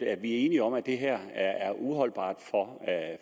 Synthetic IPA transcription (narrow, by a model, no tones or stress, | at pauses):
æ̥ʋiæɐe̝ːniɒ̽m̰æd̥e̝ɦeɐ̰ææɐʔuɦɒ̽l̰b̥ɑ̰̈ːd̥fɒ̽